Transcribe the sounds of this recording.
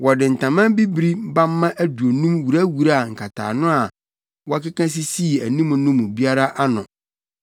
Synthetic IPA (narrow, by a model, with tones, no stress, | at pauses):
wɔ˨dɪ˨n̩˨tʰã˨mã˦bi˦bɾi˦bã˦mː˦ã˦ʔæ˦du˨o˨nũ˦mwu˨ɾæ˦wu˨ɾa˦a˨ŋ̩˨kʰa˨tʰa̰ː˨nʊ̃˦a˨ | wɔ˦a˦kɪ˦kã˦s̬i˦si˦i˨æ˨nĩ˦mʊ̃˨nʊ̃˦mʊ̃˨bi˦a˦ɾa˦ʔa˦nʊ̃˨